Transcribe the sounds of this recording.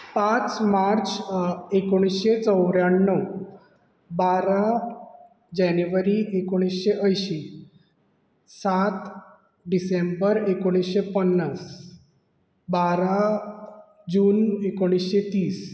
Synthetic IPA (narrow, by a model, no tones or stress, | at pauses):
pãt͡smaɾt͡sekoɽ̃isɕet͡səwɾjaɳːə | baɾa | d͡ʑanjuʋəɾiʔekoɽ̃isɕeʔəjɕi | sat̪ | ɖisembəɾekoɽ̃isɕepənːəs | baɾa | d͡ʑuːnekoɽ̃isɕet̪iːs